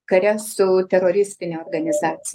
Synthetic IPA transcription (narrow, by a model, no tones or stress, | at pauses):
kɐɾʲɛsʊt̪ʲɛɾoːɾʲɪsʲt̪ʲɪnʲeoːrɡɐnʲɪzɑːt̪sʲɪ